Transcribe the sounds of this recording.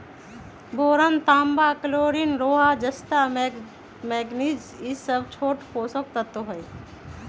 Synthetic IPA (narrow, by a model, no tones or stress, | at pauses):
boːɾant̪aːmbaːkəloːɾinɾoːɦaːd͡ʒɐst̪a | mɛːɡnid͡ʒ | isəbt͡ʃʰoːʈpoːsok̚t̪ət̪oɦəj